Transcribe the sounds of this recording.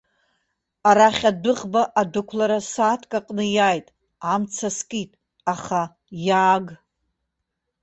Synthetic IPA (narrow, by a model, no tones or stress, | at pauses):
aɾaχʲadɨʁbaʔadɨkʷʰlaɾasaːtʰkʼaqʼnɨjajtʼ | amt͡sʰaskʼitʼ | aχa | jaːɡ